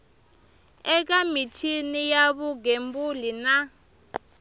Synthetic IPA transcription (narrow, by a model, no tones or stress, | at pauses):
ɛk̬amitʰinijaβuɡembulina